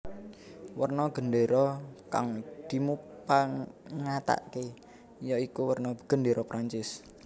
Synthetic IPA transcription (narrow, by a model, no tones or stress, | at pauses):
wərnɔɡ̥ə̤nɖeɾɔka̰ŋd̪̥i̤mupaŋat̪a̰ʔke | jɔikuwərnɔɡ̥ə̤nɖeɾɔpɾaɲt͡ʃɪs